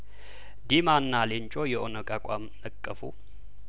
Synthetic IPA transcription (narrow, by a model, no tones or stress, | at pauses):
d̪imanːaleɲt͡ʃʼojɛʔonəkʼakʷʼamnəkʼːəfu